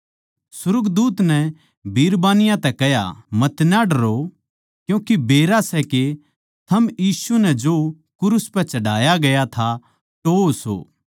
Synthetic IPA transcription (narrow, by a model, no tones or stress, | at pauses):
sʊɾəkd̪uːt̪nɛ | bʱiːɾbaːnɪjãt̪ɛkɛɦja̰mɐt̪naɖɐɾo | kjũːkibeːɾasɛke | t̪ʰɐmjiːsunɛd͡ʒo | kʊɾʊspɛ̃t͡ʃɐɽaːjaɡɐjat̪ʰa | t̪ooso̰ː